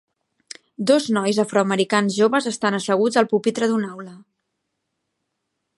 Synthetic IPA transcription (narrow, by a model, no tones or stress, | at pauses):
d̪oznɔjzafɾɔəməɾikanzʒoβəzəst̪anəsəɣ̞ud͡zəlˠpupit̪ɾəðunawlə